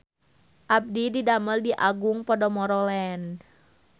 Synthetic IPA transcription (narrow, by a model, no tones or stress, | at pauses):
ʔab̚dididaməldiʔaɡuŋpɔdɔmɔɾɔlɛn